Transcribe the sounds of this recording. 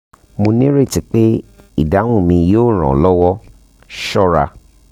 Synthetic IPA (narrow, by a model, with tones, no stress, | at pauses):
mo˧nĩ˦ɾe˦˨ti˨˦k͡pe˦ | i˦˨da˨˦w̃ũ˦˨mĩ˧joː˦˨ɾ̃ã̰˨lɔ˦wɔ˦ | ʃɔ˦ɾa˧